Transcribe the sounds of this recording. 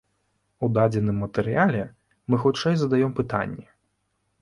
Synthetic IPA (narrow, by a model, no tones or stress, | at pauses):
ud̪ad͡zʲɛnɨmːɐt̪ɛɾɨjalʲɛ | mɨxut͡ʂɛjzɐd̪ajɔmpɨt̪a̰nʲːɛ